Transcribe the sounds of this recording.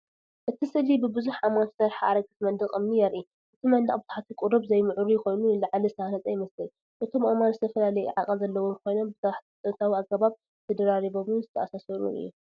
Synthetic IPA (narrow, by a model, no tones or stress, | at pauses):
ʔɨt̪ʰisɨlibɨbɨzuħamansɐɾħaa̰ɾɐɡɨt̪mɐnd̪ɨqʼɨmnijɛɾʔi | ʔɨt̪ʰimɐnd̪ɐ̰χʼbɨzu̥ħat̪ʰikʼuɾobzɐjmɨʕuɾujɪko̞jnuɨlaʕalizɨt̪ʰɐhalɐt͡sʼɐjɪmɐsɨl | ʔɨt̪ʰo̞mʔomanzɨt̪ʰɐfɐlalɐjḭʕakʼɐlzɐlːɐwo̞mkʰo̞jno̞mbɨt̪ʰaħt̪ʰt̪ʼɐt̪ʰawiaɡɐβaβ | t̪ʰɐd̪ɐɾaɾiβo̞mɨnzɨt̪ʰɐʔasasɐɾṵnɨ̰jːu